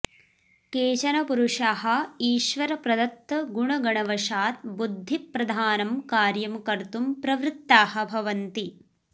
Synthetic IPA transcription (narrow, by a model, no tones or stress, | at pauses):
keːt͡ʃɐnɐpuɾuʂaːɦɐ̆iːʃʋɐɾɐpɾɐd̪ɐt̪ːɐɡuɳɐɡɐɳɐʋɐʃaːt̪̚bud̪ʱːipɾɐd̪ʱaːnɐmkaːɾjɐmkɐɾt̪umpɾɐʋɾɪt̪ːaːhɐ̆bʱɐʋɐnt̪i